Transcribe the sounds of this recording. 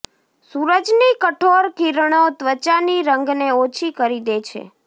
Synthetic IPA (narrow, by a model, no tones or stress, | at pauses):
suɾəd͡ʒnikəʈʰoɾkiɾɳot̪ʋət͡ʃaniɾəŋɡneot͡ʃʰikəɾid̪et͡ʃʰḛ